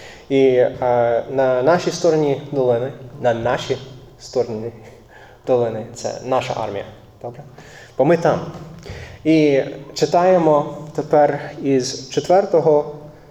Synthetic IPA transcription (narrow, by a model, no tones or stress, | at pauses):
i | nɐnɑʃʲist̪ɔɾɔnʲid̪ɔlˠɪnɪnɐnɑʃʲi | st̪ɔɾɔnʲi | d̪̥ɔlˠɪnɪt̪sɛ̰nɑʃɐ̰ʔɑ̰rmʲḭjɐ̰ | d̪̥ɔbɾɛ | b̥ɔmɪt̪ɑm | it͡ʃɪt̪ɑjemɔt̪epɛrizt͡ʃet̪ʋɛrt̪ɔɦɔ